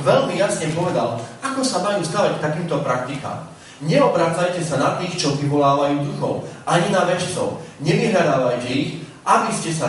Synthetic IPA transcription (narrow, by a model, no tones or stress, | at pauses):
ʋɛʎmijasɲɛpɔʋɛd̪alakɔsamajuːsd̪aɾac̚t̪akiːmt̪ɔpɾak̚t̪ika̰ːm | ɲɛɔbɾaːt͡sajcɛsanat̪iːxt͡ʃɔʋiʋɔlaːʋajuːd̪uxɔ̰ʊʔaɲinaʋɛt͡ʃt͡sɔ̰ʊɲɛʋiɦʎad̪aːʋajcɛixʔabiscɛsa